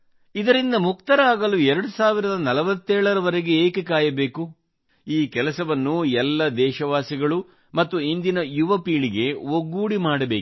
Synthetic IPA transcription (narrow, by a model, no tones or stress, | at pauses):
id̪ɐɾind̪ɐmuk̚t̪ɐɾaːɡɐluɛɾɐɽusaːʋiɾɐd̪ɐnɐlɐʋɐt̪ːɛːɭɐɾɐʋɐɾeɡe̞eːkekaːjɐbeːku | iːkɛlɐsɐʋɐnːuɛlːɐd̪ɛːʃɐʋaːsiɡɐɭu | mɐt̪ːuind̪inɐjuʋɐpiːɭiɡe̞oɡːuːɽimaːɽɐbe̞ːk